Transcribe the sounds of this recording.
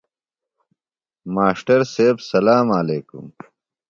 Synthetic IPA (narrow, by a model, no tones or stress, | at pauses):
maːʂʈɐɾseːbsɐlaːmaleːkṵm